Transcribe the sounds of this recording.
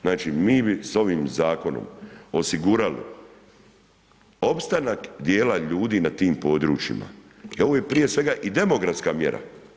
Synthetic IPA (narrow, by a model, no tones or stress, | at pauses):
znaːt͡ʃimiːbiso̞ʋiːmzaːko̞no̞̰mo̞siɡuːɾalḭ | o̞pst̪anakd̪je̞ːlaʎuːd̪iːnat̪iːmpo̞ːd̪ɾuːt͡ʃḭma̰ | ioʋoːjepɾije̞sʋe̞ɡaʔid̪e̞mo̞ɡɾat̪skamje̞̰ɾa̰